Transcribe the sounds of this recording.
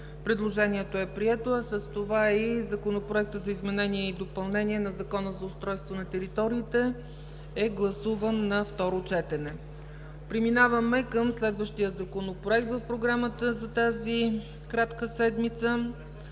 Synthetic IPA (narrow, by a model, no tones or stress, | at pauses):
pɾɛd̪lˠoʒɛniɛt̪oɛpɾiɛt̪oɐsəst̪ovaizɐkonopɾoɛk̚t̪əzɐizmɛnɛniɛid̪opɐlˠnɛnʲiɛnɐzɐkɔnəzɐʊst̪ɾɔjst̪vonɐt̪ɛɾit̪ɔɾiːt̪ɛ | ɛɡlˠɐsuvənːɐft̪ɔɾot͡ʃɛt̪ɛnɛ | pɾiminavəmɛkəmslɛd̪vəʃt̪ijəzɐkonopɾoɛk̚t̪vəfpɾoɡɾamət̪əzɐt̪azi | kɾat̪kəsɛd̪mit̪sə